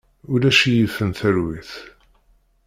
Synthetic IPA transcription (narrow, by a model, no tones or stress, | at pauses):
ʊlæʃijifːənθəɾwiθ